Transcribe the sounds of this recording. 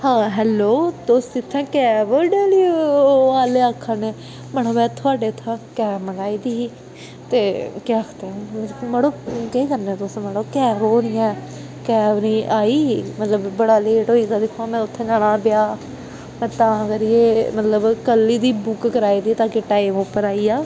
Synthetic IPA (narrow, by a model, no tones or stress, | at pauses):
hãːɦɛːloːt̪oːst̪it̪ʰːãːkɛːʋəɖeːliːoaːleːaːkʰːaneː | məɽ̃oːmɛ̃ːt̪ʰʊaːɖeːt̪ʰːãːkɛːmənaːiːd̪iː | t̪eːkeakʰt̪ẽːməɽoːkeikəɾneɛ̃ːt̪osməɽoːkɛːʋoːnɪjɛ̃ː | kɛːʋnĩːʔaːiːmət̪ləbːəɽaːleːʈɦoːiːd̪aːd̪ɪkʰːoaːmɛ̃ːʊt̪ʰːẽːd͡ʒaːɽaːbjaː | mɛ̃ːt̪ãːəɡəɾjeːmət̪ləbkəlːiːd̪iːbʊkkəɾaːiːd̪iːt̪ãːkeʈaːimopːəɾaːiːaː